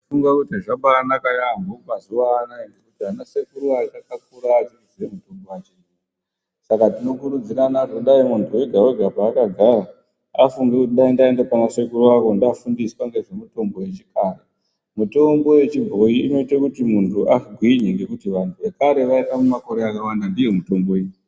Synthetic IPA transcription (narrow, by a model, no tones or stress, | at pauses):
fuŋɡakutaʐaɓaːnakajambopazuʋaːnaiŋɡekutianasekuɾuakakakuɾaːt͡ʃiriʐemuto̞mbowat͡ʃini | sakatino̞kuɾud͡ziɾanakuɗaimuntʰuwe̞ɡʱaweɡʱapaːkaɡʱaɾa | afuŋɡekutiɗaindaendepanasekuruakondafundiswaŋɡe̞ʐemuto̞mbo̞je̞t͡ʃikaɾe | muto̞mbo̞we̞t͡ʃibʱo̞jiːno̞itakutimuntʰuʔaiɡʱwiɲeŋɡe̞kutiʋantʰuʋekaɾe̞ʋaitamumako̞ɾe̞akawandandije̞muto̞mbo̞iɲi